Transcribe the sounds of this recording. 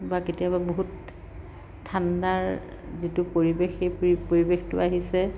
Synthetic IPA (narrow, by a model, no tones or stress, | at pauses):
baketijababoɦut | tʰːandaɹ | zitʊpoɹibexejppoɹibextʊ̰aɦisɛ